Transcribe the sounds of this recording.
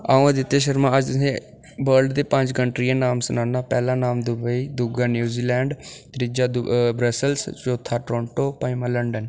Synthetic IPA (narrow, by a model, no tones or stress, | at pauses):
aːõd̪ɪt̪ːeːʃ̬əɾmãːəd͡ʒt̪ʊsẽː | bəɾɖd̪eːpə̃ɲd͡ʒɡəɳʈɾiːãːnaːmsʊnaːnːaːpɛːlãːnaːmd̪ʊbəiːd̪ʊɡaːnjuːziːlɛːɳɖt̪ɾɪd͡ʒaːd̪bɾəsəlst͡ʃoːt̪ʰːaːʈɾɔ̃ːɳʈoːpaimãləɳɖən